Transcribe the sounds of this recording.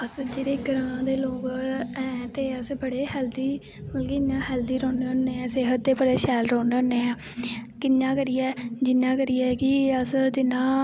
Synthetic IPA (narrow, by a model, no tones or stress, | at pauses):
əsd͡ʒeːɾeːɡəɾaãːd̪eːloːkɛ̃ːt̪eːəsbəɽeːɦɛld̪iː | məlkeɪɲãːɦɛːld̪iːɾoːnəneːɛ̃ːseːɦət̪̚d̪eːbəɽeːʃɛːlɾoːnəneːãː | kɪɲːãːkəɾiːɛːd͡ʒɪnːãːkəɾiːɛːkɪəsd͡ʒ̪ɪnãː